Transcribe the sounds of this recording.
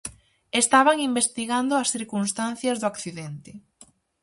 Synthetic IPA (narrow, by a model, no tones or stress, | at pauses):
est̪aβaŋimbest̪iɣand̪ʊɐsθiɾkunst̪an̟θjɐzðoakθiðɛnt̪ɪ